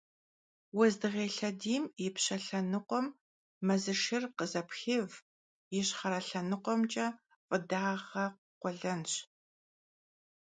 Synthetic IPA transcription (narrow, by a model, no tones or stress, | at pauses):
wɔzdɨʁeːɬɐdiːmjɪpɕɐɬɐnɨqʷɔmː | ɐzɨʃɪrqəzɐpxɪv | jɪɕχɐɾɐɬɐnɨqʷɔmt͡ʃʼɐ | fʼɨdaːʁɐqqʷɔɮɐnɕ